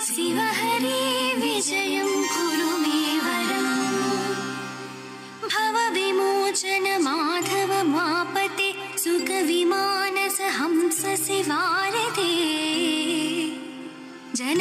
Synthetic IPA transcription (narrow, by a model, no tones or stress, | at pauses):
sɪʋɐɦɐɾiʋɪd͡ʒɐjɐmɡuɾuʋeːʋɐɾɐm | bʱɐʋɐʋimoːt͡ʃɐnɐmaʈ̪ʰɐʋɐmaːpɐt̪e | sʊkɐʋimaːnɐsɐɦɐmsɐseʋaːɾɪt̪e | d͡ʒɐn